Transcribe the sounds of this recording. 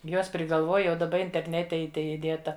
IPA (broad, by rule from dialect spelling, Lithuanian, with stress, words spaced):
ˈjuɔs pʲrʲɪɡɐlˠˈʋuɔj jɛʊ dɐˈbɐ ɪnʲtʲɛrʲˈnʲæːtʲɛ ɪ ˈtɐɪ ɪˈdʲeːtɐ